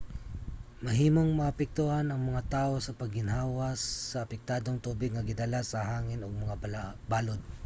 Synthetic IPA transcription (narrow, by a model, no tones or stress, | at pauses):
mɐɦiːmoŋmɐʔapɛk̚t̪uhanɐŋmɐŋat̪aːʔo̞sɐpɐɡ̚hɪnɦaːwasːɐːpɛk̚t̪aːd̪oŋt̪uːbɪɡ̚ŋɐɡɪd̪alasɐɦaːŋɪnoɡ̚mɐŋabaːlod̪̚